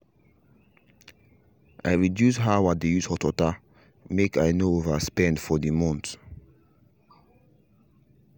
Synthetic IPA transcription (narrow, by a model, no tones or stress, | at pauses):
ʔa̰ɪɹidjusɦawadejushɔtɔta | mekaɪnoovaspɛ̃ndfɔdimɔ̃nt